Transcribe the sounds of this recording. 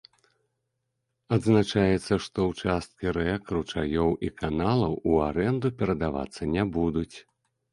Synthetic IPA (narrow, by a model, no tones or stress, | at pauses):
ad̪znat͡ʂajɛt̪sːɐʂt̪ɔwt͡ʂast̪̚kʲiɾɛkɾut͡ʂajɔwʔikanalˠɐwuaɾɛnd̪upʲɛɾɐd̪ava̰t̪sːɐnʲɛbud̪ut͡sʲ